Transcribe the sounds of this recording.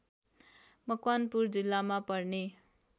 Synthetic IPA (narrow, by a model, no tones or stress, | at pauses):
mʌkwanpuɾd͡zilːamapʌɾni